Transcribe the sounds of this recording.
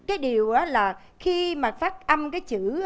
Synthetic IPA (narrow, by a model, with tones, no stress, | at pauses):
kaː˨˦jɗi˨˩əwʔaː˨˦laː˨˩ | xi˧maː˨˩faː˦˥t̚ʔa˧mkaː˨˦jt͡ɕɨ̰˧˩˥